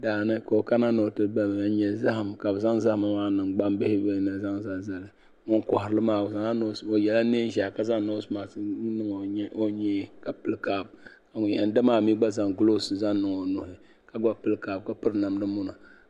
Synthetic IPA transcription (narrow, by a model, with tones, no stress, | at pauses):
daː˨nɨ˦ko˨ka˦na˦no˨tɨ˦ba˦m˨a˦ɲɛ˨za˦hɨ˨mka˨bɨ˨za˦ŋza˦hma˦maː˦nɨ˨ŋɡ͡ba˦mbɪ˦hɪ˦be˦nɨ˨za˦ŋza˦ŋza˦lɨ˨ | ŋo˦n˦kɔ˨hɪ˨ɾɨ˦lɨ˦maː˨za˦ŋa˦no˦so˨jɛ˨la˦ne˦ʒa˨ka˨za˦ŋno˦smaː˨snɨ˦ŋ˨˦o˦ɲɛ˦˨ka˨pɨ˦lkaː˨b̚ka˨ŋʊ˨˦ɛ˨n˦dɨ˦maː˨mi˦ɡ͡ba˦za˨ŋɡlo˦sɨ˨za˦nː˦ɨ˨ŋo˨nʊ˨hɪ˨ | ka˨ɡa˦pɨ˦lkaː˨b̚ka˨pɨ˦ɾna˨mnɨ˦mʊ˦na˨